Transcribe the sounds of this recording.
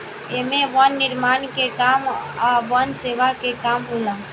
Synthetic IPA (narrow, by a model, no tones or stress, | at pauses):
emẽʋənːɪɾmankekamaʋənseʋakekamɦolã